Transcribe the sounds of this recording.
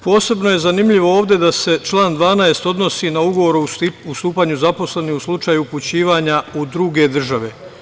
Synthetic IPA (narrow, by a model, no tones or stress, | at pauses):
po̞ːse̞bno̞je̞zanimʎiʋo̞oːʋd̪ʲe̞d̪ase̞t͡ʃlˠaːnd̪ʋaːnaest̪o̞d̪no̞siːnauɡo̞ʋo̞ɾust̪uːpaːɲuzapo̞sle̞niuslˠut͡ʃaːjuput͡ɕiːʋaːɲaud̪ɾuɡe̞d̪r̩ʒaʋe̞